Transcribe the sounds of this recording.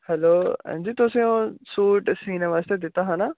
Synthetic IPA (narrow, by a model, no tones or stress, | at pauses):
hɛloːɛ̰̃nd͡ʒiːt̪ʊsẽũsuːʈsiːneʋaːst̪ed̪ɪt̪aɦãna